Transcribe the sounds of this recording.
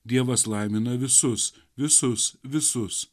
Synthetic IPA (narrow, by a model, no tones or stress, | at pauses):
d̪ʲiɛʋɐslˠɐˑɪmʲɪnɐʋʲɪsʊs | ʋʲɪsʊsʋʲɪsʊs